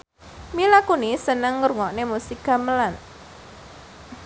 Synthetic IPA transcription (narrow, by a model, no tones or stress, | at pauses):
milakunisənəŋːəɾuŋɔʔnemusikaməlan